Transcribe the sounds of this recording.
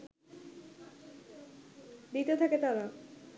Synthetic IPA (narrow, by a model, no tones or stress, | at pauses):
d̪it̪et̪ʰaket̪aɾa